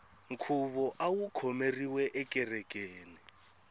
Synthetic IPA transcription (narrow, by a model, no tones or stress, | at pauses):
ŋ̩kʰuβɔʔawukʰɔmeriwɛʔɛkʼɛrɛkʼeːni